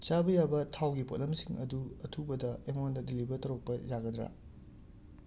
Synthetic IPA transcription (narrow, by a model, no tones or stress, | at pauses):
t͡ʃabɐjabɐtʰawɡipo̰tlɐmsiŋɐ̰duɐtʰubɐdɐemondɐdilibɐɾtɐɾok̚pɐjaɡɐdɾa̰